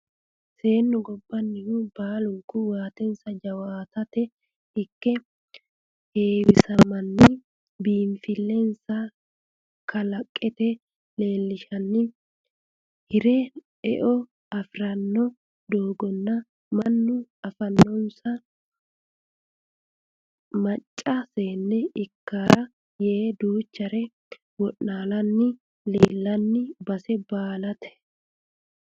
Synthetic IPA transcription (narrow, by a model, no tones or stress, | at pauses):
se̞ːnːʊɡɔbːɐnːɪhʊbaːlʊŋkʊwaːt̪ɛnsɐd͡ʒɐwaːt̪ɐt̪ɛ | ɪkːɛ | heːwɪsɐmːɐnːɪ | biːɱfɪlːɛnsɐ | kʰɐlɐkʼːɛt̪ɛ | le̞ːlːɪʃɐnːɪ | hɪɾɛ | ɛʔɔ | ɐfɾɐnːɔ | d̪oːɡɔnːɐ | mɐnːʊɐfɐnːɔnsɐ | mɐt͡ʃʼːɐseːnːɛɪkːaːɾɐ | jeːd̪uːt͡ʃːɐɾɛ | wɔʔnaːlɐnːɪ | leːlːɐnːɪbɐsɛbaːlɐt̪ʰɛ̥